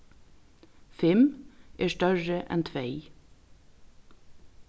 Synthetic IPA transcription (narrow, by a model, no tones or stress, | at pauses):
fɪmʔeːʃtœɹəʔɛ̰nt̪ʰʋeɪ